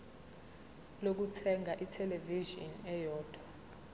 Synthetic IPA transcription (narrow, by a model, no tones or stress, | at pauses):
lok̬utʰɛŋʱaʔitʰɛleviʒɔ̰nɛjɔːd̥ʱwa